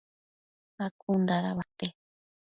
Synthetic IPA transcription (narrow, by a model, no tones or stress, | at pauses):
akund̪aɾaβat̪e